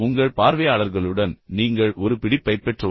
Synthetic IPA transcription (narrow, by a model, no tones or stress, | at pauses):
ʊŋɡɐɭpaːɾʋɐjaːɭɐɾɣɐɭɯɽɐnniːŋɡɐɭʔɔɾɯpɪɽɪpːɐɪpːɛʈrɐ